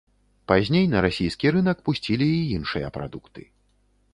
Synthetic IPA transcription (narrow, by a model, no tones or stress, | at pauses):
pazʲnʲejnɐɾasʲijskʲiɾɨnɐkpusʲt͡sʲilʲiːinʂɨjɐ̰pɾa̰d̪ukt̪ɨ̥̰